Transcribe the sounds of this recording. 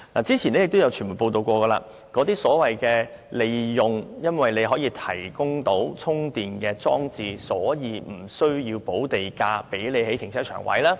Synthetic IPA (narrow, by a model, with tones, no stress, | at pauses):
naː˨˩t͡siː˥t͡sʰiː˨˩ne˨˥ɪ˨kt̪o˥wjɐ˨˧wt͡ʃʰːmu˨˩poː˧wt̪o˨˧wkʷɔː˧ɡəː˧la̰ː˧ | kɔː˨˥t̪iː˥sɔː˨˥wɐ˨jkɛː˧ | le˨jjʊ˨ŋjɐ˥nwɐ˨jle˨˧jɦɔː˨˥jiː˧t̪ʰɐ˨˩jkʊ˥ŋt̪o˨˥wt͡sʰʊ˥ŋt̪iː˨nkɛː˧t͡sɔː˥ŋt͡siː˨˧sɔː˨˥jiː˨˧m̩˨˩sɵ˥ɥjiː˧wpo˨˥wt̪e˨jkaː˧pe˨˥jle˨˧jhe˨˥jt̪ʰɪ˨˩ŋsʰɛː˥t͡ʃʰœ̰ː˨˩ŋwɐ̰˨˥jlaː˥